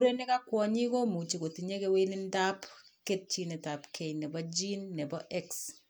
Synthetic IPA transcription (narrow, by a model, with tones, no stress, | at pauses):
u˦ɾe˦nɪ˦ka˦kwɔ˨ɲi˦ko˦mu˨t͡ʃi˨ko˨ti˨ɲe˦ke˦we˦lɪ˦nta˦pke˦t̚t͡ʃi˦nɛ˨ta˨pkʰe˨jnɛ˨bɔ˦d͡ʒi˦nːɛ˨bɔ˦ʔɛ˦ks